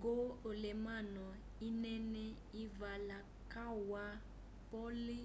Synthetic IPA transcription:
ɡoolɛmanɔ | inɛnɛ | ivala | kawa | pɔli

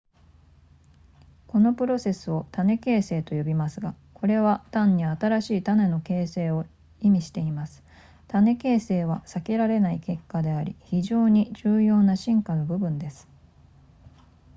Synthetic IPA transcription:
ko̞no̞pɯ̟ɾo̞se̞sɨo̞t̪ane̞ke̞ːse̞ːt̪o̞jo̞bʲimasɨɡa | kʰo̞ɾe̞β̞at̪ãɲ̟ːiat̪aɾaɕiːt̪ane̞no̞ke̞ːse̞ːo̞ | imʲiɕi̥t̪e̞imasɨ̥ | t̪ane̞ke̞ːse̞ːβ̞asake̞ɾaɾe̞naike̞kːad̪e̞aɾʲiçiʑo̞ːɲ̟id͡ʑɨːjo̞ːnaɕĩŋkano̞bɯ̟bɯ̟̃nd̪e̞sɨ̥

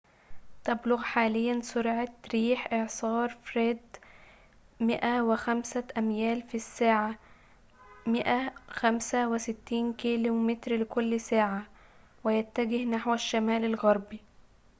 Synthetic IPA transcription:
t̪æblʊɣħaːlɪjːænsʊɾʕɑt̪ɾiːħʔeʕsˤɑːɾˤfɾeːd̪ | mɪʔæwɪxæmsæʔæmjæːlfisːaːʕa | mɪʔæxæmsæwɪsɪt̪ːiːnkiːlumɪt̪ɾlɪkʊlːsaːʕa | wɪjæt̪ːæɡɪhnaħwæʃːæmæːlalɣɑɾˤbi

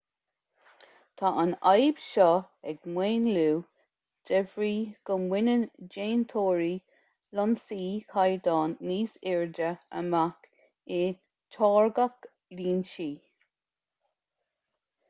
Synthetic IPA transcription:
t̪ʰaʔanajb̥ʃɔ | ɛɡmweːnluː | d̥ɛvɹiːɡ̥ənwɪnənd͡ʒeːnt̪ʰoːɹi | lɔnsiːkʰajd̪ɑːnːiːsɪɹdəə̰mak | e | tʰɑːɹɡak | liːnʃiː

